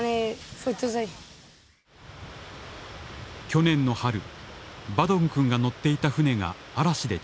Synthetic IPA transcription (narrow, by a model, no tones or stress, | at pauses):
nefot̪ɯzai | kʲo̞nẽ̞nːo̞haɾɯ̟bad̪õ̞ŋkɯ̟̃ŋɡano̞t̪ːe̞it̪aɸɯ̟ne̞ɡa̰ːɾaɕid̪e̞